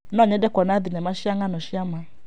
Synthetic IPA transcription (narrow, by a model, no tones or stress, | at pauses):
nɔɲɛdɛkɔnaðinɛmaʃiaŋanɔʃiama